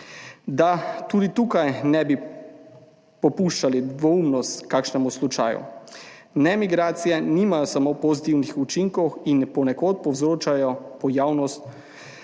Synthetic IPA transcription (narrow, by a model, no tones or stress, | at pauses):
d̪at̪ud̪it̪uːkajnɛbi | pɔpuʃt͡ʃalid̪ʋɔumnɔst̪kaːkʃnɛmuslut͡ʃa̰ːjṵ | nɛmiɡɾaːt̪sijɛnimajɔsamopɔzit̪iwnixut͡ʃiŋkɔwinpɔnɛkoːt̪̚pɔwzɾoːt͡ʃajɔpɔjaːwnɔst̪